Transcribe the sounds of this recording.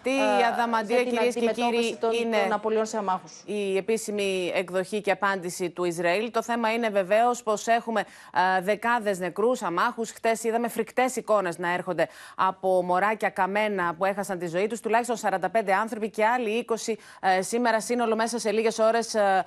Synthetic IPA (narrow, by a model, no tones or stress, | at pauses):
t̪iɐðɐmɐd̪iɐciɾies̬ecɾiinnenɐpolionseɐmɐxusie̞pisimiekðo̞çiceɐpɐnd̪isit̪uizɾɐilt̪o̞θe̞mɐine̞ve̞ve̞o̞spo̞se̞xume̞ | ðe̞kɐðe̞zne̞kɾusɐmɐxusxt̪e̞siðɐme̞fɾikt̪e̞siko̞ne̞znɐe̞ɾxo̞nd̪eɐpo̞mo̞ɾɐcɐkɐme̞nɐpue̞xɐsɐnt̪izo̞it̪ust̪ulɐçisto̞nsɐɾɐnd̪ɐpnd̪eɐnθɾo̞pice̞ɐliiko̞si | sime̞ɾɐsino̞lo̞me̞s̬ɐse̞liʝe̞so̞ɾe̞s